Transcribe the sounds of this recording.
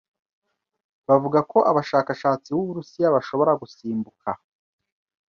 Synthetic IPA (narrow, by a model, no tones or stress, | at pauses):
βavuɡako̞ʔaβaʃaːkaʃaːt͡siβuβuɾusijaβaʃo̞βo̞ɾaɡusiːmbukʰa